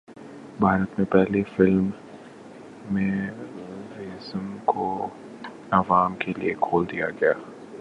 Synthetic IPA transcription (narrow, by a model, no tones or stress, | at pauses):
bʱaːɾət̪mẽpɛɦlefɪlm | ẽ | ɾɪzəmkʰo | ɐʋaːmkelḭekʰoːld̪ijaɡɐjaː